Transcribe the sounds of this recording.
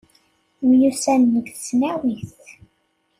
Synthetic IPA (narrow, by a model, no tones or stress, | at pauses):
mjusænːəɡθsnæwiθθ